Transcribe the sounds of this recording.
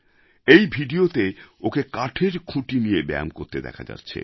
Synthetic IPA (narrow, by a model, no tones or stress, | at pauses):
ejbʱiɖiot̪eokekaʈʰeɾkʰuʈinijebɛ̰a̰mkoɾt̪ed̪ɛ̰kʰad͡ʑa̰t̪ːɕʰḛ